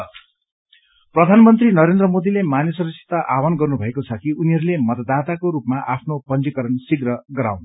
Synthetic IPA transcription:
prʌd̪ʱanmʌnt̪rinʌɾend̪rʌmod̪ilemanjʌsʌɾʌksʰe̥t̪aʔawʌnɡʌrnubʱʌekot͡sʰʌkiuniɦʌɾulemʌt̪ʌd̪at̪akoɾupmaʔapʰnopʌnt͡sikʌɾʌnsiɡrʌɡʌɾa̰wn

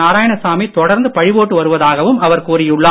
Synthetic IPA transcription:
aːɾaːjɐɳɐsaːmit̪ɔɽɐɾnd̪ɯpɐɻɪʋoːʈːɯʋɐɾɯʋɐðaːɣɐʋɯmɐʋɐɾkuːɾɪjɯɭːa

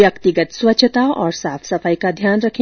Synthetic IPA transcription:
jɐkt̪iɡət̪swɐtːt͡ʃʰət̪aɔːɾsaːpʰsɐfaːjkad̪ʱjaːnɾɐkʰ

